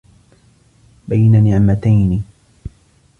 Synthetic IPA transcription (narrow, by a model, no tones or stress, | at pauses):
bajnanɪʕmat̪ajnɪ